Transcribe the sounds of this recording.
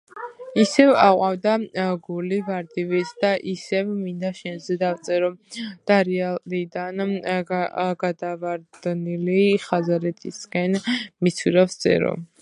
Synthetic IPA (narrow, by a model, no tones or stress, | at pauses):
isɛvaqʼwavd̪aɡulivaɾd̪ivisʰd̪aʔisɛvmind̪aʃɛnzɛd̪avt̪sʼɛɾɔd̪̥aɾɛaid̪an | ɡad̪avaɾd̪̥niliχazaɾɛt̪ʰiskʼɛnmit̪sʰwiɾafst̪sʼɛ̰ɾɔ̰